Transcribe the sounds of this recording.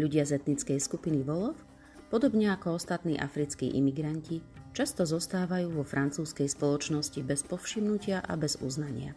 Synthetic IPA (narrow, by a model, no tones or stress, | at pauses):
ʎuɟɪazɛt̪nit͡skɛjskupiniʋɔlɔf | pɔd̪ɔbɲɛakɔɔst̪at̪nḭːʔa̰fɾit͡skḭːʔḭmiɡɾancit͡ʃast̪ɔzɔst̪aːʋajuːʋɔfɾʔant͡suːskɛjspɔlɔt͡ʃnɔscibɛspɔfʃimnucɪaʔa̰bɛzṵznaɲɪa̰